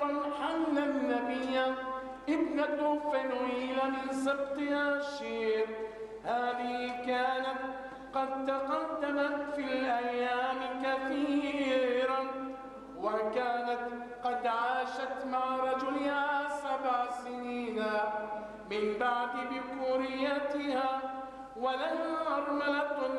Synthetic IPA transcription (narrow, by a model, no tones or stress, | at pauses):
ħamlanːabɪjːa | ʔɪbnat̪ʊːfaniːlamɪnsɪb̚t̪ˤɨhaʃiːɾ | haːðɪhɪkaːnat̪ | qɑd̪̚t̪ɑqɑd̪ːamat̪filʔajːaːmkaθiːɾa | wakaːnat̪ | qɑd̪ʕaːʃat̪maʕɾˤɑd͡ʒʊlɪhaaːsabʕsɪniːna | mɪmbaʕd̪ɪbɪkʊɾɪjːat̪ɪhaː | walamʔɑɾˤmalat̪